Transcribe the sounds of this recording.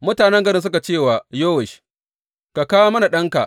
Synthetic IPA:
mʊ˦taː˨nɛ˦ŋɡɐ˦ɾɪ˦ns̬ʊ˦ka˨t͡ʃeː˦˨waː˨joː˦wɛ˨ʃ | ka˨kaː˦woː˦mɐ˦na˨ɗɐ˦ŋka̰˨ʔ

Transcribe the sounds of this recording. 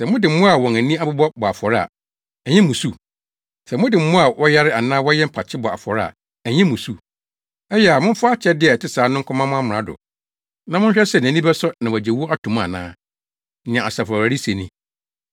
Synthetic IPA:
sɛ˨mʊ̃˦dɪ˨m̩˦mʊ̃˦a˨wɔ̃˨ŋæ˨nĩ˦a˦bʊ˦bɔ˦bɔ˨a˨fɔ˨ɾa̰˨ | ɛ˨ɲɛ̃˦mũ˨su˦ | sɛ˨mʊ̃˦dɪ˨m̩˦mʊ̃˦a˨wɔ˦ja˦ɾɪ˦a˨nãː˦wɔ˦jɛ˦m̩˦pʰa˨t͡ɕʰɪ˦bɔ˨a̰˨fɔ˨ɾa̰˨ | ɛ˨ɲɛ̃˦mũ˨su˦ | ɛ˦jɛ˦˨a˨mʊ̃˦m˦fʊ˦a˦t͡ɕʰɛ˦dɪ˦ɛ˨tɪ˦saː˨˦nʊ̃˦ŋ˦kʰʷɔ̃˦mã˦mʊ̃˦a˦mʊ̃˨ã˦dʊ̰˨ | nã˨mʊ̃˦ɲ˦ɕᶣɛ˦sɛ˦˨n˨æ̃˨nĩ˦bɛ˦sɔ˦nã˨wɔ˨d͡ʑɛ˨wu˦a˦tʰũ˨m˦a̰˨nã̰ː˦ | nɪ̃˨ã˨a˨sa˨fɔ˨ɾa˨ɾi˦se˨nĩ˦

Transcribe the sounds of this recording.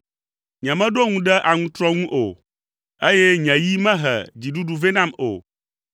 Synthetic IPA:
ɲɛ̃˨mɛ̃˦ɖo˦ŋũ˦ɖɛ˦ʔa˨ŋũ˦t̪ɾɔ˦ŋũ˦ʔo˨ | e˦jɛ˦ɲɛ̃˨ji˦mɛ̃˦ɦɛ̰˨d͡ʑi˨ɖu˦ɖu˦ve˦nã˦mo̰˨

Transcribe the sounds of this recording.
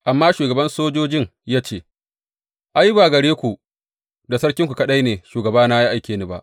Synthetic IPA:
ʔa˨mːaː˦ʃuː˨ɡɐ˨bɐ˦nsoː˦d͡ʒoː˦d͡ʒɪ˦ŋjaː˦t͡ʃeː˦˨ | ʔa˦ji˦baː˨ɡɐ˨ɽeː˦kʷu˨ | da˨sɐ˦ɽkʲɪ˦ŋkʷu˨kɐ˦ɗa˦jneː˨ʃuː˨ɡɐ˨baː˦naː˦ji˦ʔa˨jkʲeː˨nɪ˦ba̰˦˨ʔ

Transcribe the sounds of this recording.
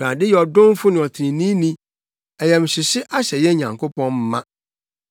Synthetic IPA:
ɾã˨dɪ˦jɛ˨ɔ˨dʊ̃˦m˦fʊ˦nɪ̃˨ɔ˨tʰɾĩ˨nĩ˦nĩ˦ | ɛ˨jɛ˨m˨ɕɪ˨ɕɪ˦ʔa˦ɕɛ˨jɛ˦ɲã̰˨ŋkʰo˦pɔ̃˦nm˦mã˦

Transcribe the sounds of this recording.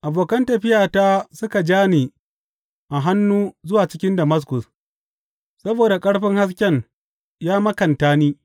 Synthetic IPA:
ʔa˨boː˨kɐ˦ntɐ˨ɸɪ˦jaː˨taː˦sʊ˦ka˨d͡ʒaː˦ni˨ | ʔa˨ɦa˦nːuː˦zʊ˦waː˨t͡ʃɪ˦kʲɪ˦ndɐ˨mɐ˦s̬kʊ˨s | sɐ˦boː˨da˨kʼɐ˦ɽɸɪ˦ŋha˦s̬kʲɛ˦ŋ | jaː˦mɐ˦kɐ˨ntaː˦niː˦

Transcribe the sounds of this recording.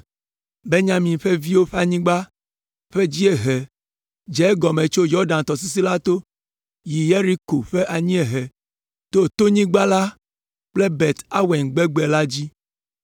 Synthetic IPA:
be˦ɲã˦mĩ˨ɸe˦vi˦wo˦ɸa˦˨ɲĩ˦ɡ͡ba˦ | ɸe˦d͡ʑi˦e˨ɦɛ˨ | d͡ʒɛ˦ɡɔ˨mẽ˨t͡ʃo˦jɔ˦ɖã˨n˨t̪ɔ˨s̬i˦s̬i˦la˦t̪o˦ | ji˨je˦ɾi˦ko˨ɸe˦ʔa˨ɲĩ˦e˨ɦɛ˨ | t̪o˦t̪o˦ɲĩ˦ɡ͡ba˦la˦ | k͡ple˦bɛ˨t̪a˦wɛ˨ŋɡ͡bɛ˦ɡ͡be˨la˦d͡ʑi˦

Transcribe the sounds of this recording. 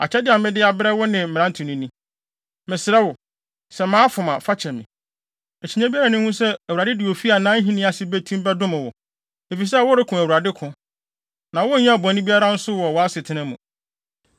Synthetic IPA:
a̰˨t͡ɕʰɛ˦dɪ˦a˨mɪ̃˦dɪ˦a˨bɾɛ˦wʊ˦nɪ̃˨mɪ̃˨ɾ̃ã˦ntʰũ˨nĩ˦nĩ˦ | mɪ̃˨sɪ˨ɾɛ˦wʊ˨ | sɛ˨mã˦fʊ˨mã˨fa˦t͡ɕʰɛ˨mĩ˨ | ɛ˨t͡ɕʰi˨ɲã˦bi˦a˦ɾa˨nʊ̃˦hũ˦sɛ˦æ˨wu˨ɾa˨dɪ˦dɪ˨wo˨fi˦a˨nã˦n̩˦ɦĩ˦nɪ̃˦a˨sɪ˦be˦tʰũ˦m˦bɛ˦dʊ̃˦mɪ̃˨wʊ˨ | e˨fi˨s̬ɛ˦˨wʊ˦ɾɪ˦kʰʊ̃˨æ˨wu˨a˨dɪ˦kʰʊ̃˨ | nã˨wʊ˦n̩˦ɲã˦˨bɔ̃˨˦nĩ˦bi˦a˦ɾa˦n̩˦sʊ˦wɔ˨wɔ˨a˦sɪ˨tʰɪ̃˦nɪ̃˦mṵ̃˨

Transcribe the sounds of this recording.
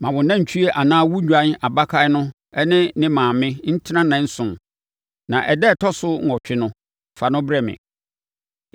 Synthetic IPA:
mã˨wʊ̃˨nã˦ɲ̩˨t͡ɕʰu˦e˦ʔa˨nãː˦wu˦ɲᶣu˨˦ã˨˦n˦a˨ba˦kʰa˦nʊ̃˦ | ɛ˦nɪ̃˦nɪ̃˦mãː˨mɪ̃˦n̩˦tʰɪ˦nã˦nã˨n̩˦sʊ̃˨n | nã˨ʔɛ˨dɛ˦˨tʰɔ˦sʊ˦ŋ̩˨ɔ˨t͡ɕᶣɪ˦nʊ̃˦˨ | fa˨nʊ̃˦bɾɛ˦mɪ̰̃˨

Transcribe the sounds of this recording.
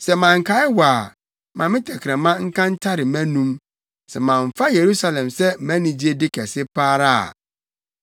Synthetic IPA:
sɛ˨mã˨ŋ̩˨kʰa˦ɪ˦waː˨ | mã˨mɪ̃˦tʰɛ˨kʰɪ˨ɛ̃˨mã˦ŋ̩˦kʰã˦n̩˦tʰa˦ɾɪ˨mæ̃˦nũ˦m | sɛ˨mã˨ɱ˨fa˦je˨ɾu˦sa˦lɛ̃˨msɛ˦mæ̃˦nĩ˨d͡ʑi˦e˦dɪ˦kʰɛ˨sɪ˦pʰaː˦ɾa˦a̰˨

